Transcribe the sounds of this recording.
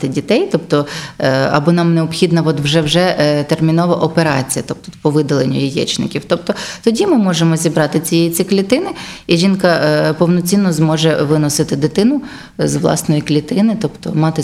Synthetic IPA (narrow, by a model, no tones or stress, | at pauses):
t̪ɪdʲit̪ɛjt̪ɔpt̪ɔ | ɐ̰bɔnɑmneɔpxʲid̪nɐʋɔt̪ʋʒɛwʒɛt̪ermʲinɔʋɐʔɔpeɾɑ̰t͡sʲijɐt̪ɔp̚t̪ut̪pɔʋɪd̪ɐlˠenʲːʊ̰jijɛ̰t͡ʃnɪ̰kʲiwt̪ɔp̚t̪ɔt̪ɔdʲimɪmɔʒemɔzʲibɾɑt̪ɪt͡sʲijɛjit͡sʲiklʲit̪ɪnɪiʒʲinkɐpɔwnɔt͡sʲinːɔzmɔʒɛʋɪnɔsɪt̪ɪd̪ɪt̪ɪnʊ | zʋlˠɑ̰snɔjiklʲit̪ɪnɪt̪ɔpt̪ɔmɑt̪ɪ